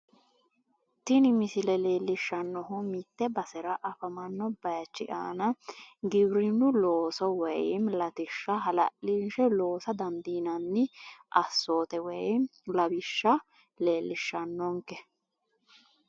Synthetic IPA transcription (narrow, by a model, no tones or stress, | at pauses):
t̪ɪnɪmɪsɪlɛleːlːɪʃːɐnːɔɦʊmɪt̪ːɛbɐsɛɾɐʔɐfɐmɐnːɔbɐjt͡ʃːɪ̰ʔa̰ːnɐɡɪbɾɪnːʊloːsɔwɛjmlɐt̪ɪʃːɐɦɐlɐ̰ʔinʃɛlo̞ːsɐd̪ɐnd̪iːnɐnːɪʔɐsːoːt̪ɛwɛjlɐbɪʃːɐ | le̞ːlːɪʃːɐnːɔŋkɛ